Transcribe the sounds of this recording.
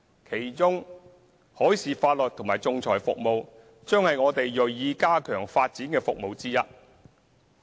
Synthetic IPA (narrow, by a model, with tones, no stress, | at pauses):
kʰe˨˩jt͡ʃʊ˥ŋ | hɔː˨˥jsiː˨faː˧t̚lɵ˨t̚t̪ʰʊ˨˩maː˨jt͡sʊ˨˧ŋt͡sʰɔː˨˩jfʊ˨k̚mo˨˧w | t͡ʃœː˥ŋhɐ˨jŋɔː˨˧t̪e˨jːɵ˨˩ɥjiː˧kaː˥kʰœː˨˩ŋfaː˧t̚t͡siː˨˥nkɛː˧fʊ˨k̚mo˨˧wt͡siː˥jɐ˥t̚